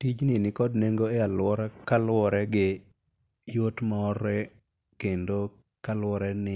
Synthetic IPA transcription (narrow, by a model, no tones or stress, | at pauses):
tid͡ʒnɪnɪkɔdneŋɡoealwɔɾakalwɔɾɛɡɪ | jotmɔːrɛ | kendo | kalwɔɾɛnɪ